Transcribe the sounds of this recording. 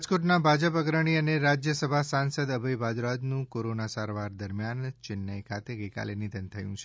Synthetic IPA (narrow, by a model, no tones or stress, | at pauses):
d͡ʒkoʈnabʱad͡ʒəpəɡɾəɽ̃iəneɾad͡ʒjəsəbʱasansəd̪əbʱəjbad̪ɾad͡ʒ̪nũkoɾonasaɾʋaɾd̪əɾmjant͡ʃɪnːəjkʰat̪eɡəjka̰lenid̪ʱənt̪ʰəjṵ̃t͡ʃʰe